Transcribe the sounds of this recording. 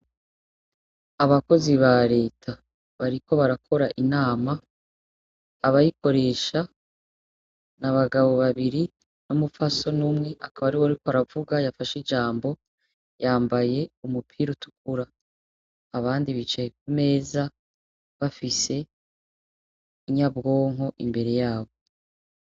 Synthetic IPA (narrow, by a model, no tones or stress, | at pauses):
aβako̞ziβaɾe̞ːtʰa | βaɾiko̞βaɾakʰo̞ɾaʔinaːma | βajiko̞ɾe̞ːʃa | naβaɡaβo̞βaβiɾi | nomufaso̞numŋe̞ʔakaβaɾiwaɾikoaɾavuɡajafaʃid͡ʒaːmbo̞ | jaːmbaje̞umupʰiːɾutu̥kuɾaː | βaːndiβit͡ʃajekume̞ːza | βafise̞ | iɲabɡo̞ːŋɦo̞ʔḭmbe̞ɾe̞jaːβo̞